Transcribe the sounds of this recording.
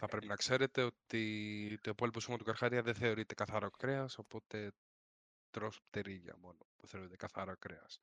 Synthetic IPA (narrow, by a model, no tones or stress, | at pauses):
θɐpɾe̞pinɐkse̞ɾet̪e̞ot̪it̪opolpusumot̪ukaɾxaɾiɐðeθe̞o̞ɾit̪e̞kaθaɾokɾeɐso̞po̞t̪e̞ | t̪ɾospt̪eɾiʎɐ̰mo̞nouθeoɾit̪ekaθaɾokɾeɐ̰s